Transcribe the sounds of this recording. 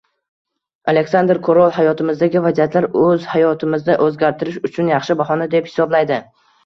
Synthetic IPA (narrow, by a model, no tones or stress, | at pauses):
ale̞kʲsand̪ɾkʰoɾɒlˠhajɒt̪ʰɪmɪzd̪aɡʲɪvazijat̪ʰlaɾɵzhajɒt̪ʰɪmɪznɪʔɵzɡʲaɾt̪ʰɪɾɪʃʊt͡ʃʰʊnjɑχʃɪbahɒnad̪e̞phɪ̥sɒblajd̪ɪ